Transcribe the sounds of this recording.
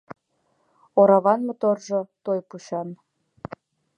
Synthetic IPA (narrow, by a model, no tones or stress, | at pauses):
oɾɑβɑnmŏt̪orʒot̪ojpuɕɑn